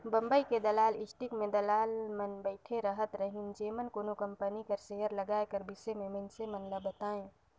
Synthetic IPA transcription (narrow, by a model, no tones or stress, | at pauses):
bə̃mbəiked̪ɐlaːlɪsʈikmẽd̪ɐlaːlmənbəɪʈʰeɾəɦət̪ɾəɦɪnd͡ʒeːmənkoːnokə̃mpənikəɾseɦəɾləɡaːekəɾbɪsemẽmɐnsemənləbət̪aːẽ